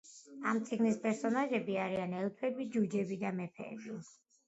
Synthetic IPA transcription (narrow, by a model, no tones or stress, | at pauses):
amt̪sʼiɡnispʼɛɾsɔnaʒɛbiaɾianɛlˠp̪ʰɛbid͡ʒud͡ʒɛbid̪amɛpʰɛ̰ːbi